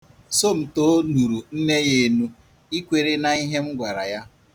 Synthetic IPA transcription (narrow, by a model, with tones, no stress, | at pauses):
so˦m̩˨to˦nu˨ɾu˨n̩˦ne˦je˨˦nu˦ | i˦kʷe˨ɾe˦na˨i˦ɦe˦m̩˦ɡʷa˨ɾa˨ja˦